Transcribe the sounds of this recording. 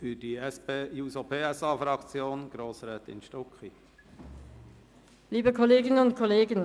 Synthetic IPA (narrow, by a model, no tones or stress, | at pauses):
fydiɛspeːjuːsopʰeːɛsɑːfɾɑkt͡sjoːnɡ̥ɾoːsɾɛːt̪ɪ̰nʃtɔkχi | liːbəkʰɔleːɡɪnənʊntkʰɔleːɡən